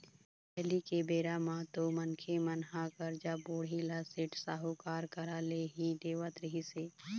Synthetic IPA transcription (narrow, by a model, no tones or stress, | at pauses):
pɛɦlikebeːɾaːmãːt̪omɐnkʰemɐnɦakəɾd͡ʒaːboːɽilaːseʈsaːɦokaːɾkɐɾaːleɦid̪eːʋət̪ɾɪɦiseː